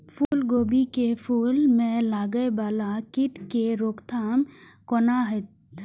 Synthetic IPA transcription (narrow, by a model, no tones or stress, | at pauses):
pʰuːlɡoːbikepʰuːlmẽlaːɡəebaːlakɪʈkeɾoːkt̪ʰaːm | kɔnaɦɪt̪̚